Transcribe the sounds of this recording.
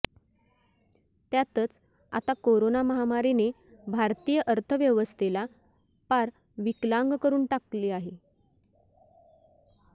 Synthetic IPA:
t̪jat̪ət͡s | a̰t̪akoɾonaməɦamaɾine | bʱaɾt̪ijəʔəɾt̪ʰəʋjəʋəst̪ʰela | paɾ | ʋiklaŋɡkəɾuːnʈakliːaɦe

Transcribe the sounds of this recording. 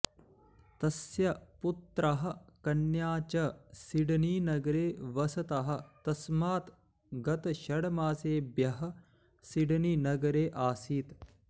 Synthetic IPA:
t̪ɐsjɐput̪ɾɐɦɐ̆kɐnjaːt͡ʃɐsiɖɐniːnɐɡɐɾeːʋɐsɐt̪ɐɦɐ̆t̪ɐsmaːt̪ | ɡɐt̪ɐʃɐɽɐmaːseːbjɐɦɐ̆ | siɖɐninɐɡɐɾeːʔaːsiːt̪

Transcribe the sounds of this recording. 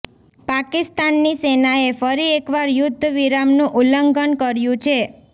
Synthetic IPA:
pakist̪anːisenaefəɾiekʋaɾjʊd̪ʱːʋiɾamnũʔuləŋɡənkəɾjũt͡ʃʰe

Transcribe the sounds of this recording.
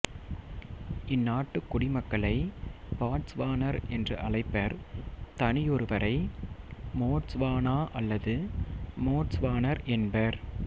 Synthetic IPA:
ɪnːaːʈːɯkːʊɽɪmɐkːɐɭɐɪpaːʈsʋaːnɐɾɛndrɯʔɐɭɐɪpːɐɾt̪ɐnɪjɔɾɯʋɐɾɐɪ | moːʈsʋaːnaːʔɐlːɐðɯmoːʈsʋaːnɐɾʔɛnbɐɾ

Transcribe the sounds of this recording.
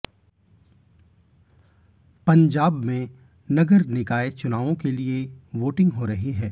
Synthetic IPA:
pɐ̃ɲd͡ʒaːbmẽ | nɐɡəɾnɪkaːet͡ʃʊnaːʋõkelieʋoːʈɪ̃ŋɡɦoɾɐɦiɦɛː

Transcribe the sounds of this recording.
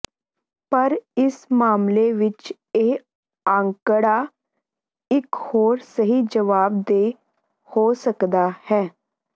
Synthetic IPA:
pəɾɪsmaːmleːʋɪt͡ʃ | eː | ãːŋkəɽaː | ɪkhoːɾsəɦiːd͡ʒəʋaːbd̪eː | hoːsəkd̪aːhɛː

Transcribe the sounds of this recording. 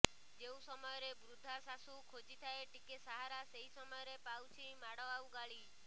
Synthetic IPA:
d͡ʒeũsɔmɔjɔɾebɾud̪ʱasasukʰod͡ʒit̪ʰaeʈikesaɦaɾaseɦisɔmɔjɔɾepawt͡ʃʰimaɽɔawɡaɭi

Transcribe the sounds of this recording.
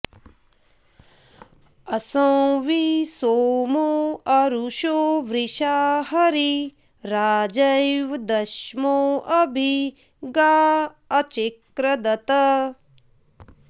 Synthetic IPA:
ɐsɐ̃w̃ʋisoːmoːɐɾuʃoːʋɾiʃaːhɐɾi | ɾaːd͡ʒɐjʋd̪ɐʃmoːʔɐbʱi | ɡaː | ɐt͡ʃekɾɐd̪ɐt̪ɐ

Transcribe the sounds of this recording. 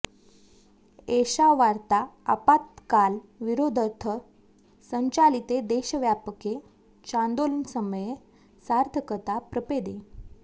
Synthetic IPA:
eɕaʋaɾt̪aəpat̪kalʋiɾod̪ʱət̪ʰə | səɲt͡ɕalit̪ed̪eɕəʋjapəke | t͡ɕãnd̪olnsəməje | saɾt̪əkət̪apɾəped̪e

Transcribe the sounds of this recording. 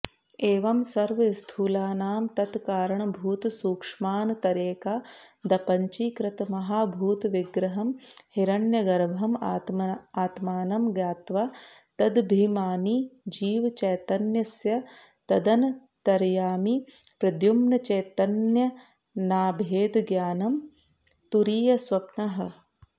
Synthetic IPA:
eːʋɐmsɐɾʋɐist̪ʰuːlaːnaːmt̪ɐt̪kaːɾɐɳbʱuːt̪suːkʂmaːnɐt̪ɐɾeːkaːd̪ɐpɐɲt͡ʃiːkɾɐt̪mɐɦaːbʱuːt̪ʋiɡɾɐɦɐmhiɾɐnjɐɡɐɾbʱɐmːt̪aːt̪maːnɐmɡjaːt̪ʋaː | t̪ɐd̪bʱiːmaːnid͡ʒiːʋt͡ʃɐjt̪ɐnjɐsjɐ | t̪ɐd̪ɐnɐ | t̪ɐɾjaːmipɾɐd̪jumnɐt͡ʃɐjt̪ɐnjɐ | naːbʱeːd̪ɡjaːnɐm | t̪uɾiːjɐswɐpnɐɦɐ̆

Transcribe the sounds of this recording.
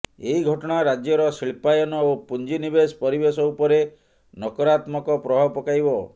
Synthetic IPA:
eiɡʱɔʈɔɽ̃aɾad͡ʒjɔɾɔsiɭpajɔnɔopund͡ʒinibespɔɾibesɔupɔɾe | nɔkɔɾat̪mɔkɔpɾɔɦɔpɔkajbɔ

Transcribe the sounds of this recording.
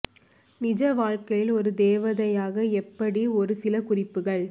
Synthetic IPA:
nɪd͡ʒɐʋaːɻkɐjɪlɔɾɯd̪eːʋɐðɐjaːɣɐɛpːɐɽiɔɾɯsɪlɐkʊrɪpːɯɣɐɭ

